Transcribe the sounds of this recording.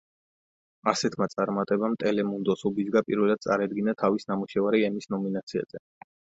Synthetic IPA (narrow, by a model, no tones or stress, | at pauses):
asɛt̪ʰmat̪sʼaɾmat̪ʼɛbamt̪ʼɛlɛmund̪ɔsubizɡapʼiɾvɛlˠad̪̥̚sʼaɾad̪ɡinat̪ʰavisnamuʃɛvaɾiɛmisnɔminat̪sʰia̰z̥ɛ